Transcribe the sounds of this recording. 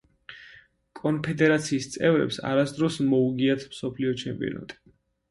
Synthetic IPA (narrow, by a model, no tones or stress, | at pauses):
kʼɔnpʰɛd̪ɛɾat̪sʰiːst̪sʼɛvɾɛ̰psa̰ɾasd̪ɾɔsmɔuɡiat̪ʰmsɔpʰliɔt͡ʃʰɛmpʼḭɔ̰na̰t̪ʼi̥